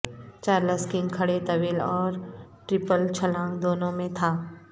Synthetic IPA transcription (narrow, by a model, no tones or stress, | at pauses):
t͡ʃaːɾləskɪ̃ŋkʰɐɽet̪ɐʋiːlɔːɾʈɾɪpəlt͡ʃʰɐlãːŋd̪oːnõmẽt̪ʰaː